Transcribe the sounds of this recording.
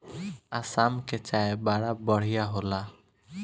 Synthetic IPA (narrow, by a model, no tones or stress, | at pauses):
asamket͡ʃaebaɽabɔɽ̤ijaɦola